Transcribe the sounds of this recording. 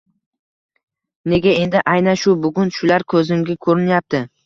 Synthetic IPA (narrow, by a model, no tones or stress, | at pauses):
ne̞ɡʲae̞nd̪ɪʔajnanʃʊbʊɡʲʊnʃʊlaɾkʰɵzɪŋɡʲakʰɵɾɪnjap̚t̪ɪ